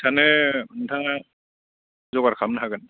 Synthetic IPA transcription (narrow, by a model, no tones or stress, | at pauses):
tʰanɛntʰaa | zɔɡaɾkʰamnaɦakan